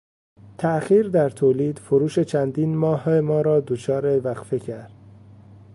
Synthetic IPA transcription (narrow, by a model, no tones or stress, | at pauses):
t̪ʰæxiːɾd̪æɾt̪ʰoːliːd̪̥foɾuːʃe̞t͡ʃʰænd̪iːnmɒːɦmɒːɾɒːd̪ot͡ʃʰɒːɾe̞væɣfecʰæɾd̪̥